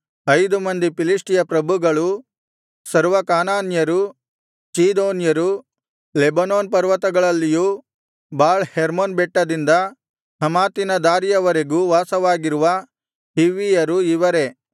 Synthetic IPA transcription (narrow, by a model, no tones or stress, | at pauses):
ɐjd̪umɐnd̪ipiliʂʈijɐpɾɐbʱuɡɐɭu | sɐɾʋɐkaːnaːnjɐɾu | t͡ʃiːd̪oːnjɐɾu | lebɐnoːnpɐɾʋɐt̪ɐɡɐɭɐlːiju | baːɭheɾmonbɛʈːɐd̪ind̪ɐ | hɐmaːt̪inɐd̪aːɾijɐʋɐɾeɡuʋaːsɐʋaːɡiɾuʋɐ | hiʋijɐɾuiʋɐɾe̞